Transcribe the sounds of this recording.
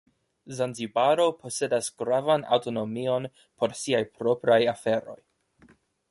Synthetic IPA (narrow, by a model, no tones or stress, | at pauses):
zanzibaɾo̞pʰo̞se̞dasɡ̥ɾavana̰wto̞no̞mio̞n | pʰo̞ɾsiajpɾo̞pɾajafe̞ɾo̞̰j